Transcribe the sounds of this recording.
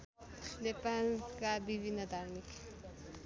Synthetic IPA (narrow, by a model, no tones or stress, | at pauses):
nepankabibʱinːəd̪ʱaɾmik